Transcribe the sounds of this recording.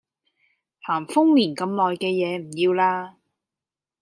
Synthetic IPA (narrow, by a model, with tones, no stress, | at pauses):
haː˨˩ŋfʊ˥ŋliː˨˩nkɐ˧mlɔː˨jkɛː˧jɛː˨˧m̩˨˩jiː˧wlaː˧